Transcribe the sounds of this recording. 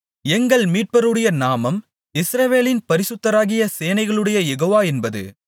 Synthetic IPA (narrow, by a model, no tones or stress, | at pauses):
ɛŋɡɐɭmiːʈ̚pɐɾɯɽɐjɐnaːmɐm | ɪsɾɐʋeːlɪnpɐɾɪsɯt̪ːɐɾaːɣɪjɐseːjnɐɪɣɐɭɯɽɐjɐjɛɣoːʋaːɛnbɐðɯ̰